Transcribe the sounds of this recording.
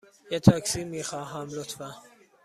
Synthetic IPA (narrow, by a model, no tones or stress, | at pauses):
jet̪ʰɑksiːmiːxɑːɦæmlot̪fæ